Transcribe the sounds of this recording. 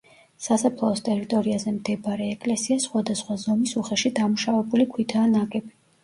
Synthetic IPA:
sasapʰlˠaɔst̪ʼɛɾit̪ʼɔɾiazɛmd̪ɛbaɾɛːkʼlɛsiasχwad̪asχwazɔmisuχɛʃid̪amuʃavɛbulikʰwit̪ʰaːnakʼɛbi

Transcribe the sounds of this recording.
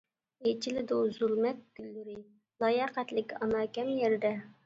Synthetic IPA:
ejt͡ʃʰilɪd̪uzulˠmɛt̪̚ɡ̥ʲylːyɾɪ | lˠɑːjɑqɛt̪lɪkʲɑnɑːkʲɛmjɛɾd̪ɛ

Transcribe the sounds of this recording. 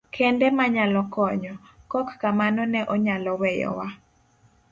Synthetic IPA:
kʰɛndɛmaɲalɔkɔɲɔ | kɔkːamanɔnɛʔɔɲalɔwɛjɔ̰wa

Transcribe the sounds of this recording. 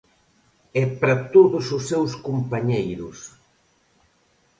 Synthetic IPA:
ɛpɾat̪oðʊsʊsːewskumpaɲejɾʊs

